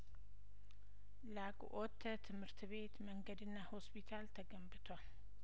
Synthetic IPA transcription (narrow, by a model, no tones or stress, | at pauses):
lakʼʔot̪ʰːət̪ʰɨmhɨɾt̪ʰβe̞t̪məŋɡəd̪ɨnːaho̞spʰit̪ʰalt̪ʰəɡəmbɨt̪ʰoal